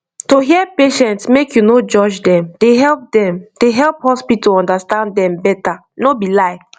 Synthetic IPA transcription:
toɦiɛpeʃɛ̃ntsmekjunod͡ʒɔd͡ʒdɛ̃md̥eɦɛlp̚dɛ̃md̥eɦɛlˠphɔspitɔɔ̃ndastãndɛ̃mbɛta | nobilaɪk

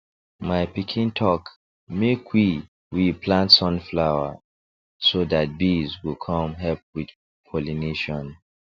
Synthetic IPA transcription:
maɪpikʰĩntʰɔk | mekʰwi | wipʰlãntsɔ̃nflawa | sodat̚bizwilkʰɔ̃mɦɛlp̚wid | kʰɔlineʃɔ̃n

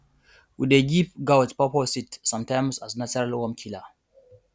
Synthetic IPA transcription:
wideɡip̚ɡawtpɔpɔsitsãmtãjmsasnat͡ʃəɹalwɔ̃mkʰila

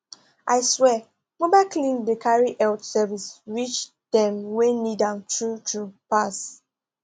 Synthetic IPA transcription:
ʔaɪswɛ | mobaɪklĩndekʰaɹiʔɛltsɛvisɹit͡ʃ | dɛ̃mwenidãntɹutʰupas

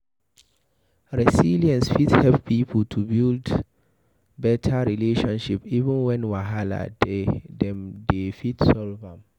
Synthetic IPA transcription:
ɹɛsiliɛ̃nsfithɛlppʰipʰəltʰubild | bɛtʰaɹileʃɔ̃nʃipivə̃nwɛ̃nwaɦala̰dedɛ̃mdefitsɔlvãm

